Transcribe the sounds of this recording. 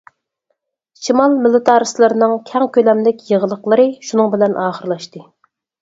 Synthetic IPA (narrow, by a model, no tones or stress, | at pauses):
ʃimɑlˠmɪlˠɨt̪ʰɑɾɨslˠɨɾɨnɨŋkʲʰɛŋkʲʰølɛmlɪkʲjəʁəlˠəqlˠɨɾɨʃunɨŋbɪlɛnʔɑːχəɾlˠɑʃt̪ɨ